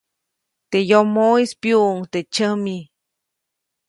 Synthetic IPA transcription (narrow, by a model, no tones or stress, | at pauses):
t̪ejomoispjuŋt̪et͡ʃəmi